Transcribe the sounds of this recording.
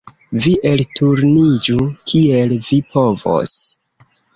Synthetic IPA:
viʔeltuɾnid͡ʒukʰie̞lvipo̞vo̰s

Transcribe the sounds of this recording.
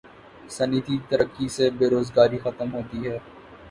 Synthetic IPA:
sɐnit̪it̪ɐɾəkːisebeːɾoːzɡaːɾixɐt̪əmɦoːt̪iɦɛː

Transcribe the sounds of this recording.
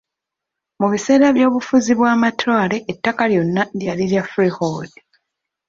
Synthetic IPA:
muβise̞ːɾaβjo̞ːβufuziβwaːmatwaːle̞ʔːtːakaljo̞nːadjaliɾjafɾihold

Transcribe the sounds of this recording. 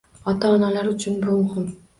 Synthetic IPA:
ɑt̪ɑːnɑlˠɑɾyt͡ʃynbolˠʁon

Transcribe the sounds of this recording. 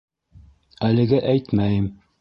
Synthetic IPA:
ælɘ̆ɡæʔæjt̪mæjɘm

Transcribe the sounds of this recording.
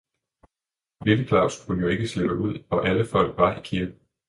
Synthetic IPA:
ʋe̝ləkʰlɑ̈ʊ̰skʰunəjo̝e̝ɡ̥əsle̝b̥əʔuð̰ˠɒ̽ʔæləfɒ̽l̰ɡ̥ʋɑ̈ikʰiɐɡ̥n̩

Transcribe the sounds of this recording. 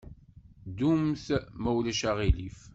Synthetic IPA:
d̪umθmæwlæʃaʁilif

